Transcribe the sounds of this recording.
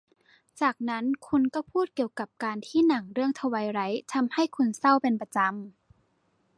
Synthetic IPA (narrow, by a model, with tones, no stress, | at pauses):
t͡ɕaː˨˩k̚na˦˥nkʰu˧nkɔ˥˩pʰuː˥˩t̪̚ki˨˩əwka˨˩p̚kaː˧nt̪ʰiː˥˨na˨˩˦ŋɾɯ˥˩əŋt̪ʰa˧wa˨˧˦jɾa˨˦˥jt̪ʰa˧mha˥˩jkʰu˧nsa˥˩wpe˧npa˧t͡ɕa˧m